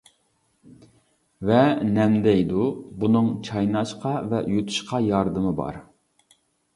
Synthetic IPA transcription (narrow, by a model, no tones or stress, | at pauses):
vɛnɛmd̪ɛjd̪ubunɨŋt͡ʃʰɑjnɑʃqɑvɛjot̪ʰu̥ʃqʰɑjɑɾd̪ɨmɨbɑ̰ɾ